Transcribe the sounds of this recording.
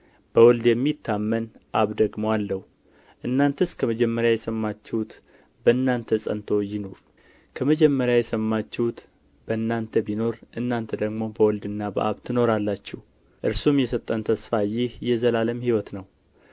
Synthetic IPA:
b̥əwɔld̪jɛmːit̪ːamːənʔaβd̪əɡmoalːəhu | ʔɨnːant̪ʰəskʰəməd͡ʒɛmːəɾjajɛsəmːat͡ʃːɛhut̪ | bəɨnːant̪ʰəsʼə̰nt̪ʰo̞jɪno̞ɾ | kʰəməd͡ʒɛmːəɾjajɛsəmːat͡ʃːɛhut̪ | b̥əɨnːant̪ʰəbino̞ɾʔɨnːant̪ʰəd̪əɡmo̞bəwɔld̪ɨnːabə̰ʔa̰βt̪ʰɨno̞ɾalːat͡ʃːɛh | ʔɨɾsumjɛsəβt̪ʼənt̪ʰəsfajɪhjɛzəlaləmhiwɔt̪nəw

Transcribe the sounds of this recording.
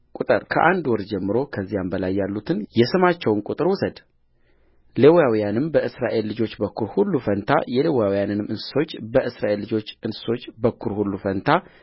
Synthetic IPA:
kʼut̪ʼɨɾkʰə̰ʔand̪wɔɾd͡ʒɛmːɨɾo̞kʰəzːijambəlajːalːut̪ʰɨnjɛsɨmat͡ʃːɛwnkʼut̪ʼɨɾwʊsəd̪ | lewjawijanɨmbəʔɨsɾaʔe̞lːɨd͡ʒo̞t͡ʃːbəkʰːuɾhulːufənt̪ʰa̰jɛlewjawjanɨnɨmʔɨnsɨ̥so̞t͡ʃːbəʔɨsɾaʔe̞lːɨd͡ʒo̞t͡ʃːɨnsɨ̥so̞t͡ʃːbəkʰːuɾhulːufənt̪ʰa

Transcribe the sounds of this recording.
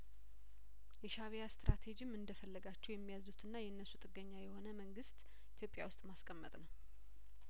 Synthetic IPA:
jɛʃaβejast̪ɾat̪ʰed͡ʒɪmɨnd̪əfəlːəɡat͡ʃːɛwjɛmːijazut̪ʰɨnːajɛnːəsut̪ʼɨɡəɲːajɛho̞nəməŋɡɨst̪ʼ | ʔit̪ʰjo̞pʼja̰wʊst̪ʼmaskʼəmːət̪ʼnəw

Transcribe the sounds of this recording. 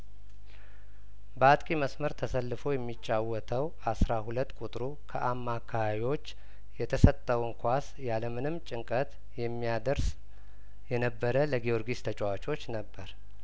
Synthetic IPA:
bəat̪ʼkʼiməsməɾt̪ʰəsəlːɨfo̞jɛmːit͡ʃʼːawɔt̪ʰəwʔasɾahulət̪ːkʼut̪ʼɾu | kʰəʔamːakʰːaβaβiwo̞t͡ʃː | jɛt̪ʰəsət̪ʼːəwɨŋkʰʷas | jaləmɨnɨmt͡ʃʼɪŋkʼət̪ | jɛmːijad̪əɾs | jɛnəbːəɾələɡio̞ɾɡist̪ʰət͡ʃʼwat͡ʃʼo̞t͡ʃːnəbːəɾ

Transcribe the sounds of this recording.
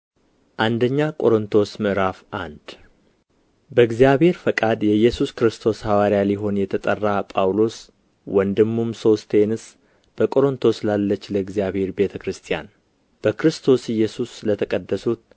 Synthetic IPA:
ʔand̪əɲːakʼo̞ɾɨnt̪ʰo̞smɨʔɾafʔand̪̥ | bəɨɡzijaβhe̞ɾfəkʼad̪jɛjːɛsuskɾɨst̪ʰo̞shawaɾijaliɦo̞njɛt̪ʰət̪ʼərːapʼawlo̞s | wɔnd̪ɨmːumsost̪ʰenɨs | b̥əkʼo̞ɾɨnt̪ʰo̞slalːət͡ʃːləɨɡzijaβhe̞ɾbe̞t̪ʰəkɾɨst̪ʰija̰n | b̥əkɾɨst̪ʰo̞sɨjːɛsuslət̪ʰəkʼəd̪ːəsut̪̚

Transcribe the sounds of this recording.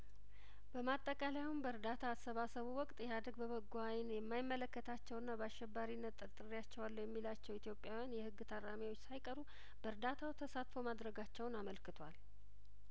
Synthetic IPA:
bəmat̪ʼːəkʼalajawunbəɾd̪at̪ʰaːsːəβasəβuwɔkʼt̪ʼjɛhad̪əɡbəβəɡːajnjɛmːajɪmːələkːət̪ʰat͡ʃːɛwnːabəaʃɛbːaɾinːət̪ʼːɨɾt̪ʼɨrijat͡ʃːɛwalːjɛmːilat͡ʃːɛwit̪ʰjo̞pʼjawjanjɛhɨɡːɨt̪ʰəɾːamiwot͡ʃːsajkʼəɾu | b̥əɾd̪at̪ʰawt̪ʰəsat̪fomad̪ɾəɡat͡ʃːɛwnaməlkɨt̪ʰwal

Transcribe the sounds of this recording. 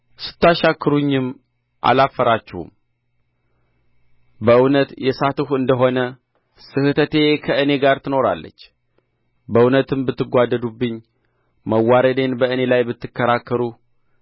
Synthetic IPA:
sɨ̥t̪ːaʃakːɨɾuɲːɨm | ʔa̰lafːəɾat͡ʃːɛhṵm | bəʔɨwnət̪jɛsat̪ɨhɨnd̪əɦo̞nə | sɨhɨt̪ʰət̪e̞kʰəʔɨne̞ɡaɾt̪ʰɨno̞ɾa̰lːə̰t͡ʃː | bəɨwnət̪ɨmbɨt̪ːɨɡʷad̪ːəd̪ubːɨɲː | məwːaɾəd̪e̞nbəɨne̞lajbɨt̪ːɨkːəɾakːəɾu

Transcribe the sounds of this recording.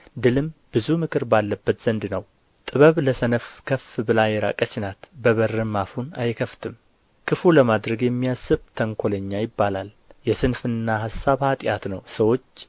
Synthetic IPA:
d̪ɨlɨmbɨzumɨkʰɨɾbalːəbːət̪z̥ənd̪nəw | t̪ʼɨβəβləsənəfkʰəfbɨlajɛɾa̰kʼəsɪnat̪bəβərːɨmafunajkʰəft̪ʰɨm | kʰɨfuləmad̪ɾəɡjɛmːijasːɨβt̪ʰəŋkʷʰoləɲːajɪbːalal | jɛsɨnfɨnːahasːaβhat̪ʼɪjat̪nəwsəwo̞t͡ʃː

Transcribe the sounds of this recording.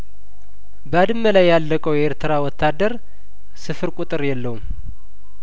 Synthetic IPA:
bəad̪ɨmːəlajːalːəkʼəweɾt̪ʰɨɾawɔt̪ʰːad̪əɾ | sɨfɨɾkʼut̪ʼɨɾjɛlːəhum

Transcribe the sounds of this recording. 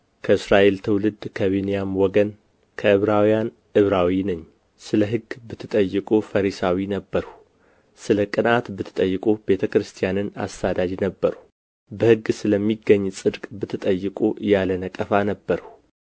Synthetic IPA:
kʰəɨsɾaʔelt̪ʰɨwlɨd̪kʰəβenijamwɔɡən | kʰəʔɨβɾawijan | ʔɨβɾawinəɲː | sɨləɦɨɡbɨt̪ʰːɨt̪ʼəjːɨkʼufəɾisawinəbːəɾh | sɨləkʼɨnat̪bɨt̪ʰːɨ̥t̪ʼəjːɨkʼube̞t̪ʰəkɾɨst̪ʰijanɨna̰st̪ad̪ad͡ʒnəbːəɾ | bəhɨɡsɨləmːiɡːəɲːsʼɨd̪kʼbɨt̪ʰːɨt̪ʼəjːɨkʼujalənəkʼəfanəbːəɾh

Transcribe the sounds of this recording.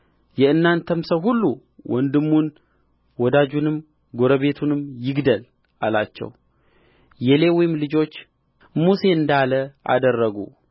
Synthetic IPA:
jɛɨnːant̪ʰəmsəɦulːu | wʔɔnd̪ɨmːun | wɔd̪ad͡ʒunɨm | ɡo̞ɾəβe̞t̪ʰunɨmjɪɡd̪əl | ʔalat͡ʃːɛ̰w | jɛlewɔjɪmlɨd͡ʒo̞t͡ʃː | muse̞ɨnd̪aləʔa̰d̪ərːəɡṵ

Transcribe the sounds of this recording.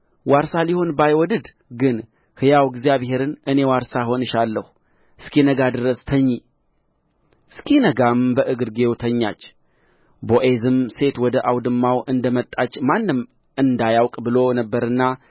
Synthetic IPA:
waɾsaliho̞nbajwɔd̪ɨd̪ | ɡɨn | hɨjawɡzijaβhe̞ɾɨnɨne̞waɾsaɦo̞nɨʃalːəhu | ɨskʰinəɡad̪ɨɾəst̪ʰəɲːi | skʰinəɡambəʔɨɡɨɾɡe̞wt̪ʰəɲːa̰t͡ʃː | boʔezɨmse̞t̪wɔd̪əʔawd̪ɨmːawʔɨnd̪əmət̪ʼːat͡ʃːmanːɨm | ɨnd̪ajawkʼbɨlo̞nəbːəɾɨnːa

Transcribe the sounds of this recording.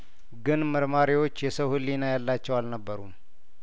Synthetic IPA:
ɡɨnməɾmaɾiwo̞t͡ʃːjɛsəwhɨlːinajalːat͡ʃːɛwalnəbːəɾum

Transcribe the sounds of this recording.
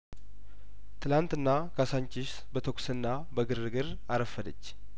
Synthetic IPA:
t̪ʰɨlant̪ɨnːakʰasaɲt͡ʃɪʃsbət̪ʰo̞ksɨnːa | bəɡɨɾɨɡɨɾ | aɾəfːəd̪ət͡ʃː

